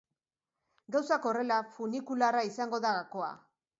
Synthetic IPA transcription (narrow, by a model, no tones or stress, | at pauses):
ɡawsako̞re̞lafunikularaisaŋɡo̞ðaɣako̞a̰